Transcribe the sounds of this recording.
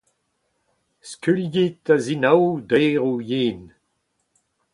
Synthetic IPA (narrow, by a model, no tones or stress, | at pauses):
skylɡit̪̚azinawd̪eʁujiːn